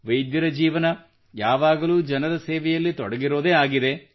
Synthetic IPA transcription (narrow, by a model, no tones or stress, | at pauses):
ʋɐjd̪jɐɾɐd͡ʒiːʋɐnɐ | jaːʋaːɡɐluːd͡ʒɐnɐɾɐseːʋɛjɐlːit̪ɔɽɐɡiɾo̞ːd̪eːaːɡid̪e̞